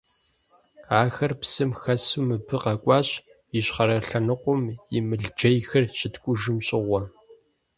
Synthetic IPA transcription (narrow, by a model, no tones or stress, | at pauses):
aːxɐrpsɨmxɐsuːmɨbɨqɐkʷʼɑːɕ | ɪɕχɐɾɐɬɐnɨqʷʊmjɪmɨɮd͡ʒɐjxɐrʃɪtkʷʼʊʒɨmɕʼɪʁʷɔ